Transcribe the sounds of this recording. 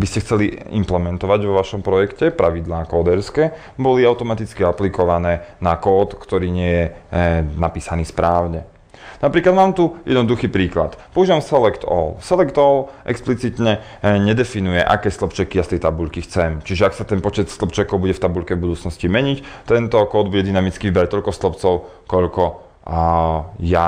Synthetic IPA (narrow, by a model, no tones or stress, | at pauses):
biscɛxt͡sɛliḭmplɛmɛnt̪ɔʋaɟʋɔʋaʃɔmpɾɔjɛkcɛpɾʔaʋid̪laːkɔːd̪ɛɾskɛː | bɔliaʊt̪ɔmat̪it͡skiaplikɔʋanɛːnakɔːt̪kt̪ɔɾiːɲɪɛjɛ | napiːsaniːspɾʔaːʊɲɛ | napɾiːklad̪maːmt̪ujʔɛd̪nɔd̪uxiːpɾiːkla̰t̪pɔuʒiːʋamsɛlɛkt̪ɔ̰lsɛlɛkt̪ɔlʔɛ̰ksplit͡sit̪ɲɛ | ɲɛd̪ɛfinujɛʔa̰kɛːst̪lˠɔpt͡ʃɛkijast̪ɛjt̪abuʎkixt͡sɛmt͡ʃiʒɛaksat̪ɛnpɔt͡ʃɛt̪st̪lˠɔpt͡ʃɛkɔʊbuɟɛft̪abuʎkɛvbud̪uːt͡snɔscimɛɲict̪ɛnt̪ɔkɔːd̪buɟɛd̪inamit͡skiʋibɛɾac̚t̪ɔʎkɔst̪lˠɔpt͡sɔʊ | kɔʎkɔ | ja